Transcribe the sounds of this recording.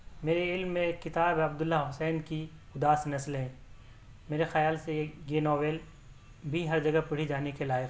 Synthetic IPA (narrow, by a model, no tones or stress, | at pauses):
meːɾeɪlmːẽkɪt̪aːbɐbd̪ʊlːaɦʊsɛːnki | ʊd̪aːsnɐslɦɛ̃ː | meːɾexɐjaːlsejeɡeːnɔːʋeːl | bʱiɦɐɾd͡ʒɐɡɐpɐɽ̤id͡ʒaːnekelaːjɪq